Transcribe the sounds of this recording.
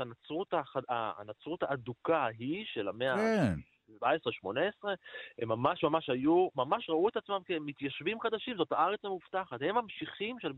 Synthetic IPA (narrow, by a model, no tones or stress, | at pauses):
anat͡sʁut̪aχaa̰nat͡sʁut̪haːd̪ukaɦiʃe̞lamea | baesʁeʃmoneesʁeemːamaʃmamaʃhajumamaʃʁauet̪at͡smamkemːit̪jaʃvimχad̪aʃimzo̞thaaʁet͡samuft̪aχat̪hemamʃiχimʃel